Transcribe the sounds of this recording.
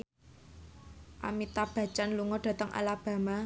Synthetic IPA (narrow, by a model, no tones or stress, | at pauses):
ʔa̰mit̪ab̥a̤̥t͡ʃanluŋɔɖ̥ä̤t̪əŋʔa̰lab̥a̤ma